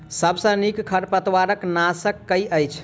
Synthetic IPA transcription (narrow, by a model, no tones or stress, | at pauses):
səbsə̃nikkʰəɾpət̪waɾəknasəkːəjəjt͡ʃʰ